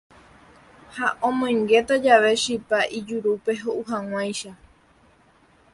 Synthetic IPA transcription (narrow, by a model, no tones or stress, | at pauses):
haʔõmõj̃ŋɡe̞t̪ad͡ʒaʋe̞ʃipaʔid͡ʒuɾupe̞ɦoʔuɦaŋãj̃ʃa